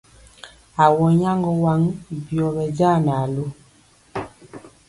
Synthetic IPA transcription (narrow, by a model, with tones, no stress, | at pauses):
a˨wɔ˨˦ɲa˦ŋɡɔ˦wa˦ŋ˨bjɔ˨bɛ˨d͡ʒa˦˨na˨lo˦